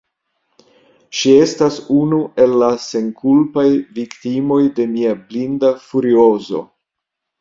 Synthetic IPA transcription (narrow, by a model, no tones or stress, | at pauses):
ʃie̞stasunuʔe̞lːase̞nkulpajviktimo̞jde̞miablindafuɾio̞zo̞̰